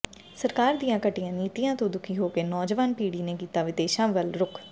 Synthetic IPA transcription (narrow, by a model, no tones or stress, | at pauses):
səɾkaːɾd̪ijãːkəʈːijãːniːt̪ijãːt̪õːd̪ʊkʰiːɦoːkeːnɔːd͡ʒʋaːnpiːɽiːneːkiːt̪aːʋɪd̪eːʃãːʋəlɾʊkʰ